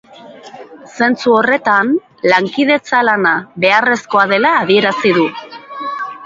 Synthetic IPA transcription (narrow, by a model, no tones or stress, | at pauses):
se̞nt͡suo̞re̞t̪an | laŋkið̞e̞t͡salanaβe̞are̞sko̞að̞e̞laːðie̞ɾasiðu